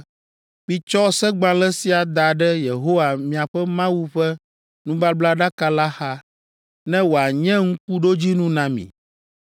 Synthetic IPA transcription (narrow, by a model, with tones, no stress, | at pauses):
ɸi˨t͡ʃɔ˦sɛ˦ɡ͡bã˦lɛ˦si˦a˨d̪a˨ɖɛ˦je˨ɦo˦wa˨mĩ˨a˨ɸɛ˦mã˦wu˦ɸɛ˦ | nũ˦ba˦bla˦ɖa˦ka˦la˦xa˦ | nɛ̃˦wo˨a˨ɲɛ̃˦ŋ̩̃˦k̚u˦ɖo˦d͡ʑi˦nũ˦nã˨mḭ̃˨